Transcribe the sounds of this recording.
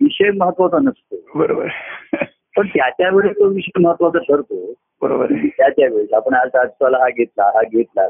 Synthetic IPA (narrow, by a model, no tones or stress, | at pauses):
ʋiɕekməɦət̪ːʋat͡sanəst̪obəɾobə̰ɾ | pəɳt̪jat͡ɕjaʋeɽet̪oʋiɕekməɦət̪ːʋat͡saʈʰəɾt̪o | bəɾobə̰ɾit̪jat͡ɕjaʋeɭapəɳad͡zad͡zt̪alaɦaɡʱet̪laɦaɡʱet̪la̰